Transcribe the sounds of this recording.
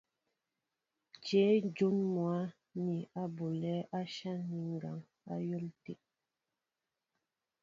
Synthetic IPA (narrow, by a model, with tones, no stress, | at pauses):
d͡ʒeː˨˦d͡ʒo˦nmwa˨˦ | ni˨a˦bo˨lɛ˦ʔa˦ʃa˦ni˨ŋɡa˨ŋ | a̰˦jo˦ltḛ˨